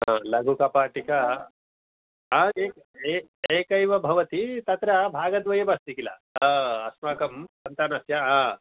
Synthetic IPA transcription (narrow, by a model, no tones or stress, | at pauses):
ɦãːlɐɡʱukapaːʈika | ɦaeːk | eeːkɐjʋɐbʱɐʋɐt̪it̪ɐt̪ɾɐbʱaːɡɐd̪ʋɐjɐbast̪ikila̰ɐsmaːkɐmsɐnt̪aːnaːsjaɦaː